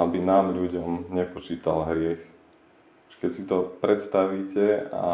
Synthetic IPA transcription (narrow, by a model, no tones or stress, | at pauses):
abinaːmʎuɟɔmɲɛpɔt͡ʃiːt̪a̰lɦɾɪɛx | ʒ̥ɛ̥kɛcsit̪ɔpɾɛt̪st̪aʋiːcɛa̰